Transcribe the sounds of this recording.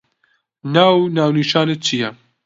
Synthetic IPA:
naːwnaːwniːʃɑːnet͡ʃʰijɛ

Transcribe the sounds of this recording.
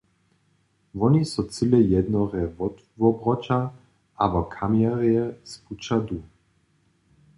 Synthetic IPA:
vɔnisɔt͡silɛjɛd̪nɔʁɛvɔt̪ | vɔbʁɔt͡ʃa | ʔabɔkʰamjaʁjɛsput͡ʃad̪u

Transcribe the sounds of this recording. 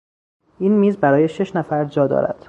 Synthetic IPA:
iːnmiːzbæɾɒːje̞ʃe̞ʃnæfæɾd͡ʒɒːd̪ɒ̰ːɾæ̰d̪̥

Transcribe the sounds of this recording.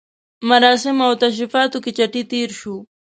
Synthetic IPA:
maɾaːsɪmawt̪aʃ̬ɪfaːt̪ʊkɪt͡ʃaʈit̪iːɾʃu

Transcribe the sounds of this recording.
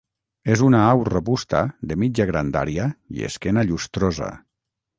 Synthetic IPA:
ezunaawreβust̪a̰ðemid͡ʒaɣɾand̪a̰ɾiaiḛskɛnaʎust̪ɾoza̰

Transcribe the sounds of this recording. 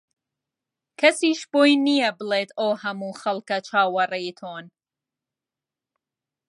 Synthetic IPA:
kʰɐsiːʃboːjnijɐbɨleːt̪ʰoːhɐmuːxɐlkɐt͡ʃʰaːwɐrɐjt̪ʰoːn

